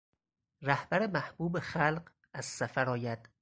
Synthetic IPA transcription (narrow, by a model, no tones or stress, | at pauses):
ræhb̥æɾemæhb̥uːbexælɢ | æz̥sæfæɾɒːjæd̪̥